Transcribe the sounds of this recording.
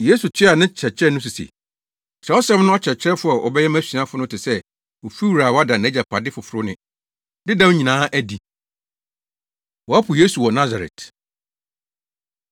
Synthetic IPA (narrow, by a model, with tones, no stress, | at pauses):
jeː˦su˨t͡ɕʰɪ˦a˨nɪ̃˦t͡ɕʰɛ˨t͡ɕʰɛ˦nʊ̃˦s̬u˨sḛ˨ | sʰɛ˨˦ɔ˦sɛ˦mnʊ̃˦ɔ˦t͡ɕʰɛ˨t͡ɕʰɾɛ˦fʊ˦a˨ʔɔ̰˨bɛ˦jɛ˦mæ̃˦ɕĩ˨ã˦fʊ˦nʊ̃˦tʰɪ˨sɛ˦ | o˨fi˦wu˨ɾa˨wɔ˦a˦da˨næ̃˨˦d͡ʑa˨pʰa˨dɪ˦fʊ˨fʊ˨ɾʊ˦nɪ̰̃˨ | dɪ˦dã˦wʊ˦ɲĩ˨nãː˨˦ʔæ˦di˨ | wɔ˨a˦pʰʊ˨je˦su˨wɔ˨nã˦za˨ɾɛ̰˨t